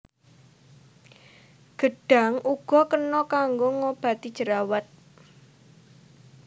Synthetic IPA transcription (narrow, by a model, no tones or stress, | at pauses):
ɡ̥ə̤ɖ̥a̤ŋʔuɡ̥ɔ̤kənɔkaŋɡoŋob̥a̤t̪id̥ʒ̥əɾawat̪̚